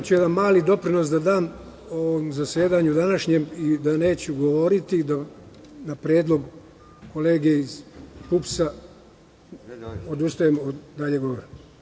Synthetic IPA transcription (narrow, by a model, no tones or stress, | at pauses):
t͡ɕujed̪anmaːlid̪o̞pɾino̞sd̪ad̪aːm | oʋomzasjeːd̪aɲud̪anaʃɲemid̪ane̞ːt͡ɕuɡo̞ʋo̞ɾit̪id̪a | napɾeːd̪lˠo̞ɡ | ko̞le̞ːɡeizpupsa | od̪ust̪ajemd̪aʎe̞ɡoʋoɾim